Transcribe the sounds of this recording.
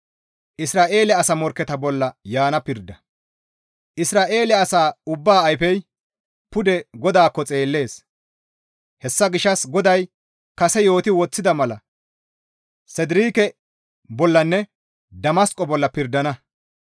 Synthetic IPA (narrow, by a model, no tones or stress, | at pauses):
ʔɪsɾaːʔe̞ːlɛɐsɐmɔɾkːɛt̪ɐbɔlːɐjaːnɐpɪɾd̪ːɐ | ʔɪsɾaːʔe̞ːlɛɐsaːʊbːaːɐjfɛj | pʊd̪ɛɡɔd̪aːkːɔt͡sʼe̞ːlːe̞ːs | hɛsːɐɡɪʃːɐsɡɔd̪ɐj | kɐsɛjo̞ːt̪ɪwɔt͡sːɪd̪ɐmɐlɐ | sɛd̪ɪɾiːkɛ | bɔlːɐnːɛ | d̪ɐmɐskʼɔbɔlːɐpɪɾd̪ɐnɐ